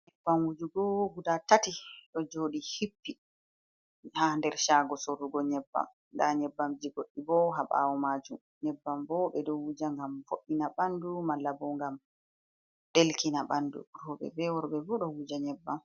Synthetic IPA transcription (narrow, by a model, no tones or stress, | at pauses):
ɲɛbːamwud͡ʒuɡɔɡudatatiɗɔd͡ʒoːɗihipːi | handɛɾʃaːɡɔsorːuɡɔɲɛbːa̰m | daɲɛbːamd͡ʒiɡoɗːibɔɦaɓa̰wɔmad͡ʒum | ɲɛbːambɔɓɛɗɔwud͡ʒaŋɡamfoɗːinaɓandumalːabɔŋɡam | ɗelkinaɓandṵɾɔɓɛ̰bɛwɔɾɓɛbɔɗɔwud͡ʒaɲɛbːam